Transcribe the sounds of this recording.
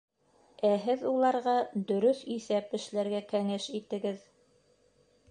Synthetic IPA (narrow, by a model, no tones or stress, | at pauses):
æɦɘðulˠɑɾʁɑd̪ɵ̆ɾɵθiθæpɘ̆ʃlæɾɡækæŋɘʃit̪ɘ̆ɡɘð